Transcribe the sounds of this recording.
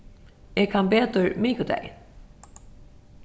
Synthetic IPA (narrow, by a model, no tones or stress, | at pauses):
eːkʰanbeːt̪əɹmiːkəd̪ɛ̰ɪ